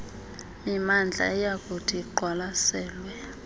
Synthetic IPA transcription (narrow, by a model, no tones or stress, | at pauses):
mimand͡ɮʱa̰ɛjak̬ʼutʰʼiǃʱwalasɛːlwɛ